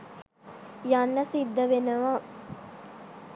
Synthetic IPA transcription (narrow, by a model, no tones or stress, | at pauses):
janːɐsid̪ːɐʋenəʋaː